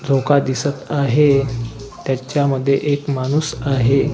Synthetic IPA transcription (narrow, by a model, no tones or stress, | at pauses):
d͡zʱokad̪isət̪aɦe | t̪jat͡ɕjaməd̪ʱːjeʔekmanuːsaɦe